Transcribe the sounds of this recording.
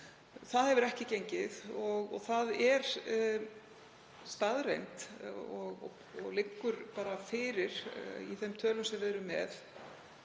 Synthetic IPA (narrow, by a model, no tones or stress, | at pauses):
θaðhɛvɪɾɛhcɪcejɲcɪðɔɣɔ̰ɣθaðɛɾ̥ | st̪aðrḛjnt̪ɔɣ̰ | ɔ̰ɣlɪkːʏɾ̥paːɾafɪːɾɪɾ̥ḭθɛmt̪ʰœːlʏmsɛvɛðɾʏmːɛ̰θ